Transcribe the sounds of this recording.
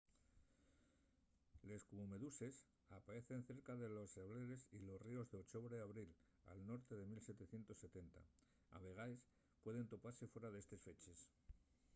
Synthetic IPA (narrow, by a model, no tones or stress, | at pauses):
le̞skuβome̞ðuse̞s | apaɾe̞θe̞n̟θe̞ɾkaðe̞lo̞sːeβle̞ɾe̞silo̞srio̞zðeot͡ʃo̞βɾeaβɾil | a̰lno̞ɾt̪e̞ðe̞milset̪e̞θje̞nt̪o̞sːe̞t̪e̞nt̪a̰ | a̰βe̞ɣ̞aes | pwe̞ðe̞nt̪o̞paɾse̞fwe̞ɾaðe̞st̪e̞sfe̞t͡ʃe̞s